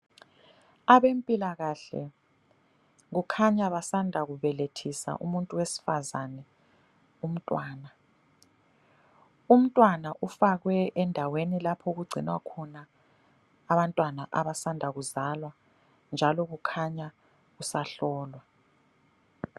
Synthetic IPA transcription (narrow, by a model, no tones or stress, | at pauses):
aβempʼilaɣaɬɛ̰ | ɣukʰaɲaβasandʱaɣuβɛletʰisa̰ʔṵmuntʼuwesi̥fazanɛ | um̩tʼwaːna | um̩tʼwanaʔufaɣwɛʔɛndʱawenilapʰɔɣuɡ͡ǀʱinwa̰kʰɔnaː | βantʼwanaʔaβasandʱaɣuzalwa | nd͡ʒʱalɔɣukʰaɲa | ɣusaɬɔːlwa